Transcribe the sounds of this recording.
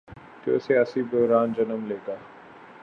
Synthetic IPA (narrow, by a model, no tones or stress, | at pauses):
t̪o̰siaːsibʊɦɾaːnd͡ʒɐnəmleːkaː